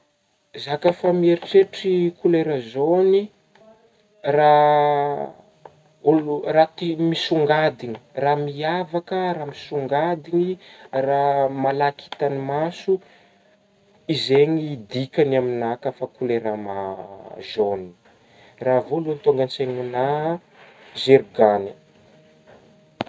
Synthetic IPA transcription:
zakafamieɾiʈ͡ʂeʈ͡ʂikuleɾəzoni | ra | ulurat̪imisuŋɡad̪iɲi̥ramiavakəraːmisuŋɡad̪iɲiramalakʰi̥t̪animasu | izeɲid̪ikʲanaminakəfakuleɾama̰ʒoni | ravolunt̪oŋɡanseŋuna | zeɾɡanə

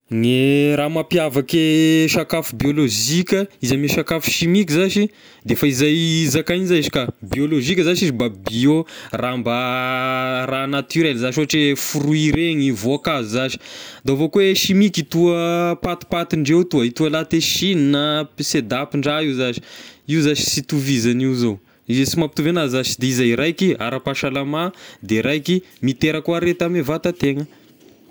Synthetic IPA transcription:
ŋeɾamapjavakeʃakafubioloʒikʲəizamiʃakafu̥ʃimikizaʃi | d̪efaizajzakajnizaiʃi̥kabioloʒikʲəzaʃizibabioramba | ranat̪yɾɛlzaʃioʈ͡ʂefuɾuiɾeɲivoakazuzaʃi̥d̪avokweʃimikit̪uəpat̪i̥pat̪iɳɖ͡ʐewt̪uəit̪uəlat̪eʃininəsed̪apiɳɖ͡ʐaiwzaʃi̥iwzaʃi̥sit̪uvizaniuzo | izesimapi̥t̪uvenazaʃi̥d̪eizaiɾajkia̰ɾapaʃalamad̪eɾajkimit̪eɾəkuaɾet̪amevat̪at̪eŋə

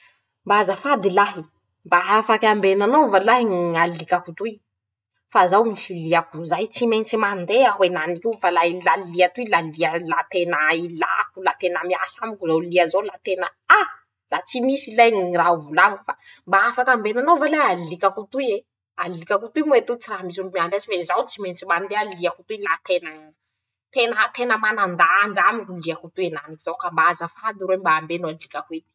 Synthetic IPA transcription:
mbazəfad̪ilaɦi | mbaafakʲambenanovalaɦiŋalikakut̪uj | fazawmisiliakuzajt͡siment͡simand̪eaɦwenanikiwfalailaliat̪uilalialat̪enəila̰kulat̪enəmiasamukuzawliazolat̪enəa | lat͡simisilajnirauvulaŋiku̥fa | mbaafakambenanovalealikakut̪uie | alikʲakut̪uimet̪ut͡siraɦmis̬ulumiaɖ͡ʐazifezawt͡siment͡simanid̪ealiakut̪uilat̪ena | t̪enat̪enəmanand̪and͡ʒamikuliakut̪uenanikiz̥awkambazəfad̪iɾwembaːmbenoalikʲakuet̪i̥

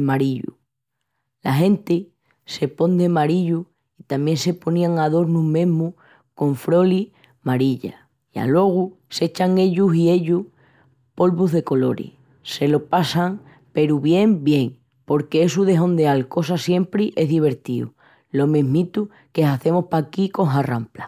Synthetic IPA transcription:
maɾiʎṵ | laɦe̞nt̪e | se̞po̞nd̪emaɾiʎu | it̪amje̞nse̞po̞nĩaŋaðo̞ɾnumẽ̞ɦmu | ko̞ɱfɾo̞li | maɾiʎa̰ | ia̰lwo̞ɣ̞u | se̞t͡ʃaŋe̞ʎusie̞ʎu | po̞lβuɦðe̞ko̞lo̞ɾḛ | se̞lo̞pasaŋ | pe̞ɾuβje̞mbje̞ŋ | po̞ɾkees̬uðe̞ɦõ̞nd̪ealko̞s̬asje̞mpɾiʔe̞ɦðiβ̞e̞ɾt̪iṵ | lo̞me̞ɦmĩt̪u | keɦaθe̞mohpakiko̞ŋɦarampla

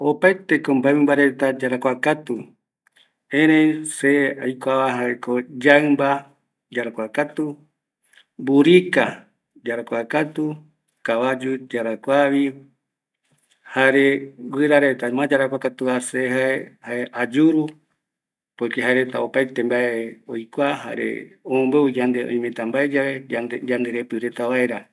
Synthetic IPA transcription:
opajt̪e̞kombaemĩmbaɾe̞t̪ad͡ʒaɾakʷakat̪u | ẽɾ̃ẽjseajkʷaβaɦaekod͡ʒaɨmba | d͡ʒaɾakʷakat̪u | buɾika | d͡ʒaɾakʷakat̪u | kaβad͡ʒud͡ʒaɾakʷaβi | haɾewɨɾaɾe̞t̪amãd͡ʒaɾakʷakat̪uaseɦaehaeʔad͡ʒuɾu | pojkeɦaeɾe̞t̪a̰opajt̪e̞mbaeojkʷaha̰ɾḛomõmbeud͡ʒand̪eõ̰j̃mẽt̪ambaed͡ʒaβe̞d͡ʒand̪e̞ɾe̞pɨɾe̞t̪aβaeɾa

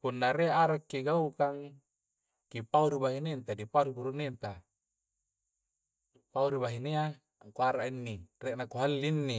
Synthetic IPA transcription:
punːaɾeaɾakːiɡaukaŋ | kipauɾibaɦinent̪adipauɾibuɾunent̪a | pauɾiβaɦinea | kuaɾaʔinːireʔnakuɦalːinːi

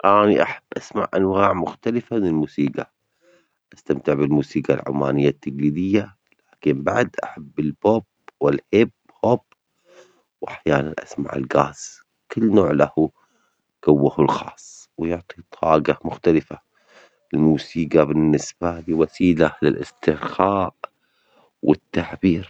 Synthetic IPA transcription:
ʔaːniʔaħabːʔasmaʕʔanwaːʕmʊxt̪alɪfanɪlmuːsiːɡa | ʔast̪amt̪ɪʕbɪlmuːsiːɡalʕʊ̰mːa̰ːnɪjːat̪ːaɡliːd̪ɪjːa | laːkɪmbaʕd̪ʔa̰ħabːɪlb̥oːb̚ | wɪlhɪb | hob | wʔaħjaːnanʔa̰sma̰ʕɪ̰lɡaːz̥ | kɪlːnoːʕlahu | ɡ̥awːahʊlxɑːsˤːwjʊʕt̪ˤit̪ˤʰɑːɡamʊxt̪alɪfa | lɪlmuːsiːɡabɪnːɪsb̥alɪwasiːlalɪ̰lʔɪ̰st̪ɪxaːʔ | wʔɪ̰t̪ːaʕbiːɾ

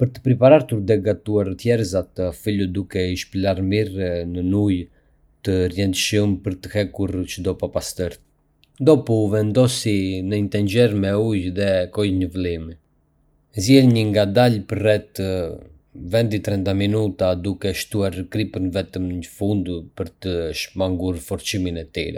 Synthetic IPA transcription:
pəɾt̪ə̥pɾipaɾaɾt̪uɾd̪ɛɡat̪uaɾt̪jɛɾzat̪əfilud̪ukɛiʃplaɾmiɾnənuj | t̪ərjɛnd̪əʃəmpəɾt̪ə̥hɛkuɾt͡ʃəd̪ɔpapast̪əɾt̪ | d̪ɔpuvɛnd̪ɔsinəint̪ɛɲd͡ʒɛɾmɛujðɛkɔjɲəvlimi | zjɛlɲəŋɡad̪alpəɾːɛt̪ | vɛnd̪it̪ɾɛnt̪aminut̪ad̪ukɛʃt̪uaɾkɾipənvɛt̪əmɲəfund̪pəɾt̪əʃmaŋɡuɾfɔɾt͡ʃiminɛt̪ḭɾɛ̰

